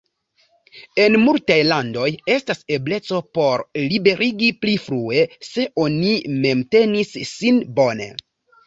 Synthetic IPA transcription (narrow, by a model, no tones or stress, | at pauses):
e̞nmultajlando̞je̞stase̞ble̞t͡so̞po̞ɾlibe̞ɾʔiɡiplifɾue̞se̞ʔo̞nime̞mte̞nisːinbo̞ne̞̰